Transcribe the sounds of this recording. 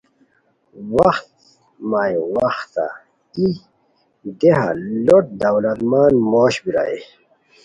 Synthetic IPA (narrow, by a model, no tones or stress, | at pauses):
wɐxt̪ | maiwɐxt̪a̰ | i | d̪eɦa̰loʈ̚d̪ɐwlɐt̪maːnmoːɕbiɾa̰ḛ